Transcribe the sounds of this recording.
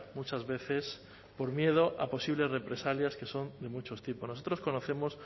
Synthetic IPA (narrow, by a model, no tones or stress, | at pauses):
mut͡ʃazβe̞θe̞s | po̞ɾmje̞ð̞o̞ʔa̰po̞siβle̞zre̞pɾe̞saljaske̞so̞nd̪e̞mut͡ʃo̞st̪ipo̞sno̞so̞t̪ɾo̞sko̞no̞θe̞mo̞s